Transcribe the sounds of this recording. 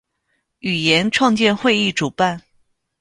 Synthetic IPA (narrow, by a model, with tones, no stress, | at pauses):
y˨˩jɛ˧˥nʈ͡ʂʰwɑ˥˧ŋt͡ɕjɛ˥˧nxwe˥˧ɪi˥˩ʈ͡ʂu˨˩pa˥˩n